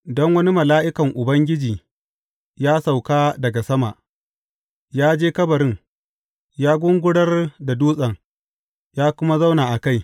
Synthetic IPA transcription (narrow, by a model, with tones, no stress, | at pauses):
dɔ˦ŋwɐ˦ni˦mɐ˨laː˦ʔɪ˦kɐ˨ŋʔʊ˨bɐ˦ŋɡʲɪ˦d͡ʒiː˨ | jaː˦sa˨wkaː˦dɐ˨ɡa˨sɐ˦ma̰˨ʔ | jaː˦d͡ʒeː˦kɐ˦bɐ˨ɾɪ˦ŋ | jaː˦ɡʷʊ˦ŋɡʷʊ˦ɽɐ˦rda˨duː˦sʼɐ˨ŋ | jaː˦kʷʊ˦ma˦za˦wnaː˨ʔa˨ka˦j